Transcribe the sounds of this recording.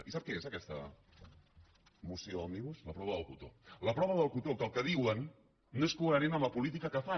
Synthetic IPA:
isap̚keesakɛst̪a̰ | museoand̪iβuslapɾɔβaðəlkut̪olapɾɔβaðəlkut̪ok̪alkeðiwenː | eskuanenambapulit̪̬ikakafa

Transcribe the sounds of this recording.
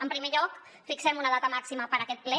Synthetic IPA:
əmpɾimeʎɔk | fiksɛmunəðat̪əmaksiməpəɾəkɛt̪̚plɛ

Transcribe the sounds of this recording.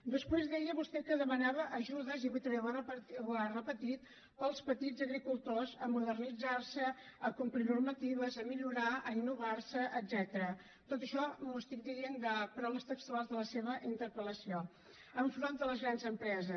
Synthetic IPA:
d̪əspwezðɛjəβust̪ɛkəðəmənaβəʔəʒuðəziβut̪βɛβərərəpət̪it̪̚ | pəlˠspət̪id͡zəɣɾikulˠt̪ozəmuðərnid͡zarsəəkumpɾinurmət̪iβəzəmiʎuɾaəinːuβarsəʔəzɛt̪əɾə | t̪ot̪əʃɔmust̪ikd̪iiend̪əpɾawləst̪əkst̪ualˠzðələseβəʔint̪əɾpələsio | əɱfɾɔnd̪ələzɣɾanzəmpɾɛzə

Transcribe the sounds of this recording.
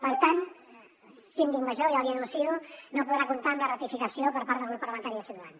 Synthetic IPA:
pəɾt̪an | sind̪ikməʒoʒaəβiənunsiunopuðɾakunt̪amlərət̪ifikəsiopəɾpaɾt̪əlˠɣɾupərləmənt̪aɾiəsit̪uðan

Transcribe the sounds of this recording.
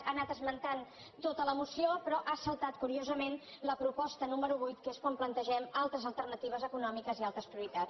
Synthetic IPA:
anat̪əzmənt̪an | t̪ot̪ələmusiopɾɔʔasəlˠt̪at̪̚kuɾiozəmen | ləpɾupɔst̪ənuməɾuβujt̪keskwamplənt̪əʒɛmalˠt̪ɾəzəlˠt̪ərnət̪iβ̞əzəkunɔmikəzialˠt̪ɾəspɾiuɾit̪a

